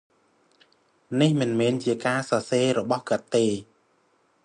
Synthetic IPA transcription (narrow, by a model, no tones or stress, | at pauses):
nihmɨnmɛːnt͡ɕiəkaːsɑːseːɾɔɓɑhkə̆t̪ːeː